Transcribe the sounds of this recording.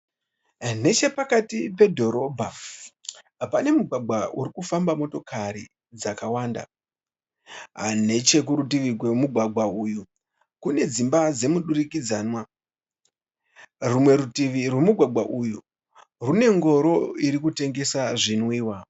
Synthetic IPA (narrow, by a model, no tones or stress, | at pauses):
ne̞t͡ʃe̞pakatipe̞dʱo̞ɾo̞bʱa | pane̞muɡʱwaɡʱwauɾikufambamo̞to̞kʰaɾḭ | d͡zakawaːnda̰ | ɦa̰ne̞t͡ʃe̞k̬uɾutiʋirɡwemuɡʱwaɡʱwauju | kune̞d͡zimbad͡ze̞muɗurikid͡zaːnwa | rumwe̞ɾutiʋirwe̞muɡʱwaɡ͡bʱwaʔuju | rune̞ŋɡo̞ɾo̞iɾikute̞ŋɡe̞saʐinwiːwa